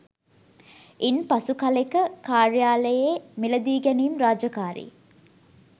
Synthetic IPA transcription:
inpɐsukɐlekəkaːrjaːləjeːmiləd̪iːɡɛniːmraːd͡ʒɐkaːɾḭː

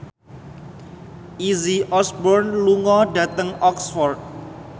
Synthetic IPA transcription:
ʔiziʔɔsbɔrnluŋɔɖa̤t̪əŋɔksfɔrt̚

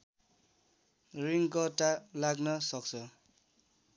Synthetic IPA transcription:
ɾiŋkɔtalaɡnʌsʌk̚sɔ

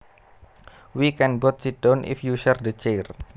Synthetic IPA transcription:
wikɛnbɔt̪̚sid̥onʔḭfjuʃɛrd̪ət͡ʃer

